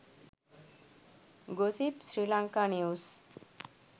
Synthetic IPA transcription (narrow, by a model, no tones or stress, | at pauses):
ɡosipɕɾilãŋkaneus